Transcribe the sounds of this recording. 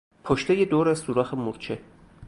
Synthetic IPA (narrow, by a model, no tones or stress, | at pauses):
pʰoʃt̪ejed̪oːɾæzsuːɾɒːxemuɾt͡ʃʰe